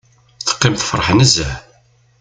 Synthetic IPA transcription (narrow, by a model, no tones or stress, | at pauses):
θə̥qːɪmθfəɾˤəħnəzæ